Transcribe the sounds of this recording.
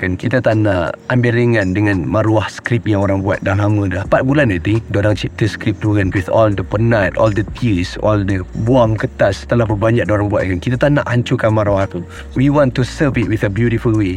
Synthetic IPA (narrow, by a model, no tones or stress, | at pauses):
kankit̪at̪anaambiliŋãndəŋãnmãɾuahsə̥kɾip̚jaŋoɾaŋbua̰t̪̚dahlaŋũdlahpat̪̚bulanat̪idɔnaŋt͡ʃip̚t̪əskɾip̚t̪uɡanwiθɔldəpənat̪ɔ̰ldət̪isɔldəbuaŋkət̪ast̪əlahbəbaɲd͡ʒaʔ̚daoɾaŋbuat̪̚kankit̪at̪anaʔaɲt͡ʃukanmaɾuaht̪u | wiwɔ̃nt̪usəvit̚wiθəbjutifəlwe